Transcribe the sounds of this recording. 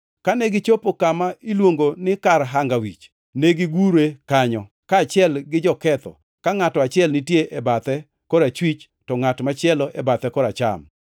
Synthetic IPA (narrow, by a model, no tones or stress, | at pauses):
kaneɡɪt͡ʃopokamailwoŋɡonɪkarɦaŋɡawḭt͡ʃ | neɡiɡuɾekaɲɔ | kaːt͡ʃɪɛlɡɪd͡ʒɔkɛt̪ɔ̰ | kaŋatɔat͡ʃɪɛlnɪtjeʔebat̪ɛ | kɔɾat͡ʃwit͡ʃ | tɔŋatmat͡ʃɪɛlɔʔɛbat̪ɛkɔɾat͡ʃa̰m